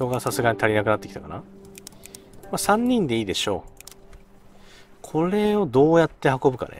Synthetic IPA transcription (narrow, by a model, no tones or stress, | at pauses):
o̞ɡasasɨɡaɲ̟it̪ʰaɾʲinakɯ̟nat̪ːeki̥t̪a̰kana | masãɲ̟ːĩnd̪e̞iːd̪e̞ɕo̞ | kʰo̞ɾe̞o̞d̪o̞ːjat̪ːe̞hako̞bɯ̟ka̰nḛ